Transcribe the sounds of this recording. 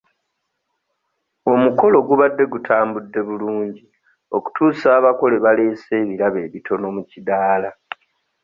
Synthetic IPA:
o̞muko̞lo̞ɡuβadːe̞ɡutʰaːmbudːe̞βuluːɲɟi | o̞ku̥tuːsaːβako̞le̞βale̞ːse̞ːβiɾaβe̞ːβitʰo̞no̞mucidaːla

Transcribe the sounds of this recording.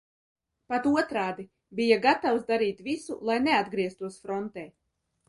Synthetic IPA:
pat̪uɔt̪ɾaːd̪i | bijaɡat̪awsd̪aɾiːt̪visṵlˠajnead̪ɡɾiɛst̪uɔsfɾɔnt̪ɛː

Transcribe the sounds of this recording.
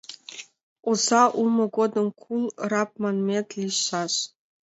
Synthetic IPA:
uzɑʔumə̆ɡod̪ə̆mkʰulˠrɑp̚mɑnmʲet̪liɕɑɕ

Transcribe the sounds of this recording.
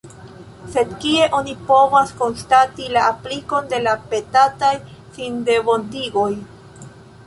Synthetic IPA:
se̞d̪kie̞ʔo̞nipo̞vasko̞nst̪atilaːpliko̞nd̪e̞lape̞t̪at̪ajsind̪e̞βont̪iɡoj

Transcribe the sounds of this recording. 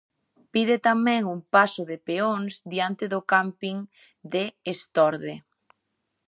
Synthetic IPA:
piðɪt̪amɛ̃ŋumpasʊðepeoŋzd̪iant̪ɪðʊkampiŋ | d̪eːst̪ɔɾðe

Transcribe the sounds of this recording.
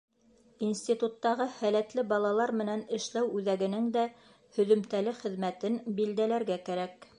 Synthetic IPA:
insʲt̪ʲit̪ut̪ːɑʁɤhælæt̪lɘbɑlˠɑlˠɑɾmɘ̆nænɘ̆ʃlæwʉðæɡɘ̆nɘŋd̪æ | hɵ̆ðɵ̆mt̪ælɘχɘ̆ðmæt̪ɘnbild̪ælæɾɡækæɾæk

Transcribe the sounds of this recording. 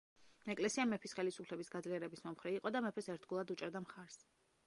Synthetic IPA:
ɛkʼlɛsiamɛpʰisχɛlisupʰlɛbisɡad̪zliɛɾɛbismɔmχɾiiqʼɔd̪amɛpʰɛsɛɾt̪ɡulˠad̪ut͡ʃʼɛɾd̪amχaɾs

